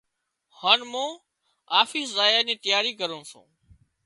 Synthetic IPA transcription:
haːnmõː | aːfiːszaːjaːnẽːt̪əjaːɾiːkəɾõːsṵ̃ː

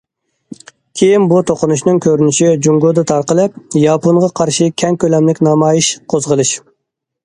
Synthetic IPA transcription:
kʲʰejinbut̪ʰoqʰʊnuʃnɨŋkʲʰøɾynɪʃid͡ʒuŋɡod̪ɨt̪ʰɑɾqəlˠɨp̚jɑpoɴʁɑqʰɑɾʃɨkʲʰɛŋkʲølɛmlɪkʲnɑmɑːjiʃqʰozʁəlˠɨʃ

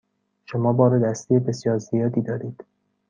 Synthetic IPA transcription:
ʃo̞mɒːbɒːɾed̪æst̪ijebe̞sjɒːɾzijɒːd̪iːd̪ɒːɾiːd̪̥

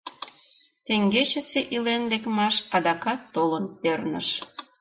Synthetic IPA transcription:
t̪eŋɡet͡ɕə̆seʔilenlekmɑʃɑd̪ɑkɑt̪ːolənp̪ernəʃ

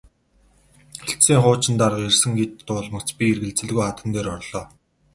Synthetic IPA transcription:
xeɬt̪siːŋχʊːt͡ɕɪ̆nt̪arqersɘ̆ŋɡet̪ːʊːɮmə̆kt͡spʲierɣɘ̆ɮt͡sɘ̆ɮɣujχat̪ə̆nt̪eːɾɔrɮɔː

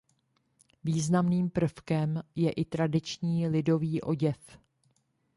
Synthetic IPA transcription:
viːznamniːmpr̩fkɛmjɛʔɪt̪ɾadɪt͡ʃɲiːlɪdo̞viːʔo̞̰ɟɛf

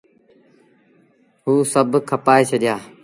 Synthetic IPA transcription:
ɦuːsəbʱkʰəpaːeːt͡ʃʰəɗɪjaː

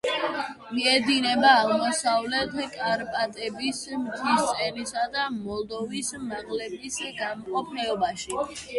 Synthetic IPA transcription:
miɛd̪inɛbaːʁmɔsavlɛt̪ʰkʼaɾpʼat̪ʼɛbismt̪ʰist̪sʼɛnisad̪amɔlˠd̪ɔvismaʁlɛbisɡamɔqʼɔpʰnɛɔbaʃi

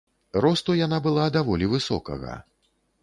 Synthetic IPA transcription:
ɾɔst̪ujanabɨlˠad̪avɔlʲivɨsɔ̰kɐ̰ɣɐ̰

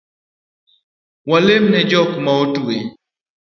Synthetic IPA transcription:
walemnɛd͡ʒɔkmaotue

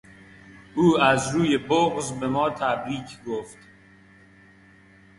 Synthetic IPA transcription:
ʔuːæzɾuːje̞boɣzbe̞mɒːt̪ʰæbɾiːcʰɡoft̪

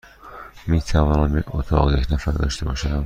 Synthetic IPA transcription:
miːt̪ʰævɒːnænbeɾot̪ʰɒ̰ːɣjekʰnæfæɾd̪ɒ̰ːʃt̪ʰebɒːʃæd̪æn

